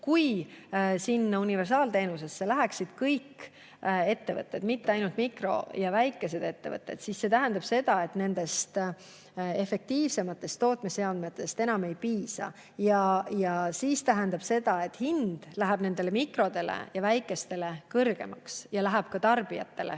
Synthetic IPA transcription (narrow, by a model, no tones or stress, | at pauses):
kuj | sinːɑunive̞rsɑːlt̪e̞ːnuse̞sːe̞læɦæksid̪̥kɤjkː | e̞t̪ːe̞vɤ̰t̪ˑːe̞d̪mit̪ːe̞ɑjnult̪mikro̞̰jɑvæjkːˑe̞se̞d̪̥e̞t̪ːe̞vɤ̰t̪ːˑe̞̰d̪̥sisːe̞t̪æɦænd̪̥ɑb̥se̞d̪̥ɑe̞t̪ne̞nd̪̥e̞st̪ | e̞fe̞k̚t̪iːvse̞mɑt̪ːˑe̞st̪ːo̞ːt̪ˑmeseɑnd̪met̪ːˑe̞st̪e̞nɑme̞jpiːsɑ̰ | jɑjɑsiːst̪æɦend̪ɑb̥se̞d̪ɑe̞t̪ːhind̪̥læɦæb̥ne̞nd̪̥e̞le̞mikro̞d̪e̞lḛjɑvæjkːˑe̞st̪e̞le̞kɤrɡ̥e̞̰mɑksjɑlæɦæb̥kɑt̪ɑrb̥ijɑ̰t̪ːe̞̰lḛ